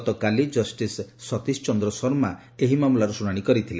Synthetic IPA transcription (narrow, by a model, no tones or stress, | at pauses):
t̪ɔkalid͡ʒɔsʈisːɔt̪ist͡ʃɔnd̪ɾɔsɔɾma | eɦimamulaɾusuɽ̃aɽ̃ikɔɾit̪ʰile